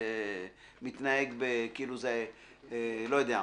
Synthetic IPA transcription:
mit̪naeɡbekiiluze | lojod̪ea

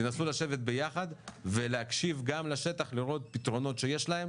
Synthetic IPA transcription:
enasulaʃe̞vet̪̚be̞jaχad̪ve̞leakʃivɡamlaʃe̞t̪aχliʁo̞t̪̚pit̪ʁo̞no̞t̪ʃe̞je̞ʃlae̞m

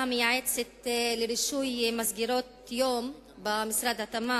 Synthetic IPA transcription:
amjaʕet͡set̪leɾiʃujmasɡiɾot̪ | joːm | bamisɾad̪hat̪ama

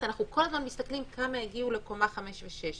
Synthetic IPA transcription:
anaχnuko̞lazmanmist̪aklimkʰamaeɡiule̞ko̞maχameʃveʃeʃ

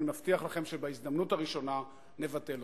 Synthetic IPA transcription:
maftiaχlaχe̞mʃebaizd̪amnutaʁiʃo̞na | ne̞vate̞l

